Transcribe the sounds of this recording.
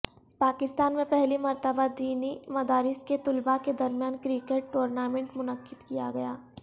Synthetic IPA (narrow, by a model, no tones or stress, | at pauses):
paːkɪst̪aːnmẽpɛɦlimɐɾt̪əbad̪iːnimɐd̪aːɾɪsket̪ʊlbaked̪ɐɾmijaːnkɾikeʈ̚ːoːɾnaːmẽɳʈmʊnəqːɪd̪kija̰ɡɐja̰ː